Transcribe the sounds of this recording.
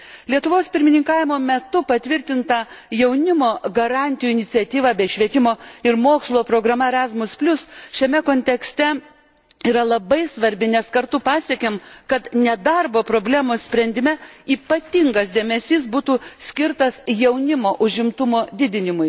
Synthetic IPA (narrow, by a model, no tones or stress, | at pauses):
lʲiɛt̪ʊʋoːspʲɪɾʲmʲɪnʲɪŋkɑːʋʲɪmoːmʲɛt̪ʊpɐt̪ʲʋʲɪɾʲt̪ʲɪnt̪ɐ | jɛʊnʲɪmoːɡɐɾɑˑnʲt̪ʲɪjuɪnʲɪtsʲiɛt̪ʲiːʋɑːbʲɛɪʃʲʋʲiɛt̪ʲɪmoːɪɾmoːkslˠoːpɾoːɡɾɐmɐɛɾɑzmʊspʲlʲʊsʃʲɛmʲɛkoːnʲt̪ʲɛksʲt̪ʲɛ | iːɾɐlˠɐbɐɪsʋɐɾʲbʲɪnʲɛskɐɾt̪ʊpɑːsʲiɛkʲemkɐt̪nʲɛd̪ɐɾboːpɾoːbʲlʲæːmosʲpʲɾʲɛnʲd̪ʲɪmʲɛiːpɐt̪ʲɪŋɡɐsd̪ʲeːmʲɛsʲiːs̬buːt̪uːsʲkʲɪɾt̪ɐsjɛʊnʲɪmoːʔʊʒʲɪmt̪ʊmoːd̪ʲɪd̪ʲɪnʲɪmʊj